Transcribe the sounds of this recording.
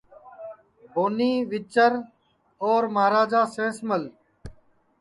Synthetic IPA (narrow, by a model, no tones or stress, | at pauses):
bʱoːniːʋɪt͡ʃəɾ | ɔːɾməɦɾaːd͡ʒaːsẽːsməl